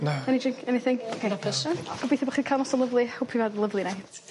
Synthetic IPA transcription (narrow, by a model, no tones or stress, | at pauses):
naɛnid͡ʒɪŋkʰɛnɪθɪŋokʰeapʰɛsɔnɡ̥ɔbejθɛbɔχiːkʰajlˠnɔsɔlˠəvlˠɨhʊpʰivadlˠəvlˠina